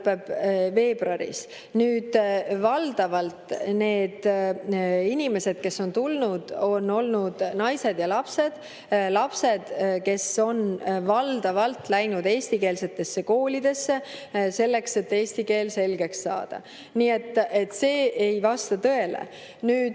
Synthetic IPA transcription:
pːˑeb̥ve̞ːb̥rɑɾḭs | nyːd̪̥vɑld̪̥ɑvɑlt̪ne̞ːd̪̥ | inʲime̞se̞d̪̥̚ke̞sːo̞nt̪ulnud̪̥o̞no̞lnud̪̥nɑjse̞d̪̥jɑlɑpse̞d̪̥ | lɑpse̞d̪̥ke̞so̞nvɑld̪̥ɑvɑlt̪læjnud̪e̞ːsʲt̪ike̞ːlse̞t̪ːe̞sːe̞ko̞ːlid̪̥e̞sːe̞se̞lːe̞kse̞t̪ːeːsʲt̪ike̞ːlse̞lɡ̥e̞ksːɑ̰ːd̪̥ɑ̰ | niːet̪ˑːe̞t̪ːse̞ːʔejvɑst̪ɑt̪ɤ̞e̞lḛ | nyːd̪

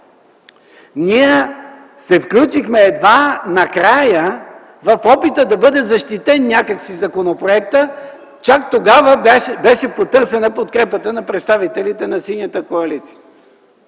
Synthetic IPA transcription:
niɛ | sɛfklʲut͡ʃixmɛːd̪vanɐkɾajə | vɐfɔpit̪əd̪ɐbɤd̪ɛzɐʃt̪it̪ɛnːʲakəksizɐkonopɾoɛkt̪ə | t͡ʃak̚t̪oɡavəbɛʃɛpot̪ɤɾsɛnəpot̪̚kɾɛpət̪ənɐpɾɛt̪st̪avit̪ɛlit̪ɛnɐsinʲət̪əkoɐlit̪si̥ə

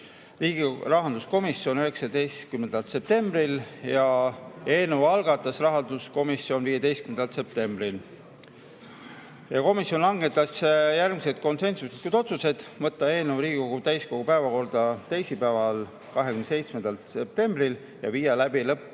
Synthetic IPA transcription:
riːɡirɑɦɑnd̪̥usko̞misio̞nyɦe̞ksɑd̪e̞jst̪kymːe̞nd̪̥ɑlt̪se̞p̚t̪e̞mbriljɑe̞ːnuvɑlɡ̥ɑt̪ːˑɑsrɑɦɑnd̪̥usko̞misio̞nviːjed̪ejst̪kymend̪ɑlt̪se̞p̚t̪e̞mb̥ɾil | jɑko̞misjo̞nlɑŋɡe̞t̪ːˑɑsjærɡmise̞t̪̚ko̞nse̞nsuse̥it̪̚kujd̪o̞t̪suse̞d̪̥vɤt̪ˑːɑe̞ːnuvɾiːɡ̥iko̞ɡut̪æjsko̞ɡupæevɑko̞rd̪̥ɑt̪æjsipævɑl | kɑɦekymnese̞jt̪smenɑlt̪se̞p̚t̪e̞mbril | jɑviːɑlæbilɤpː

